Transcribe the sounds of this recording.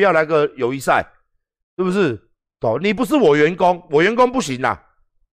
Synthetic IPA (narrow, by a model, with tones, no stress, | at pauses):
jɑ˥˩na˧˥ɡə˨jo˨ʊi˧˦sa̰˥˨ɪ | ʂɻ̩˥˩bu˨˩ʂ̬ɻ̩˥˩ | t̪o˨˦ni˨˩p̬u˨˦ʂ̬ɻ̩˥˨wɔ˨˩ɥɛ˨˦nko˦ŋwɔ˨˩ɥɛ˧˦nko˦ŋpu˥˩ɕi˨˦ŋa̰˨